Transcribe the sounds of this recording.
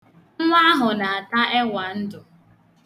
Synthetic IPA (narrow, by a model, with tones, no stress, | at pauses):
ŋʷa˦a˦ɦʊ˨na˨a˨ta˦ʔe˦wʷa˨n̩˦dʊ˨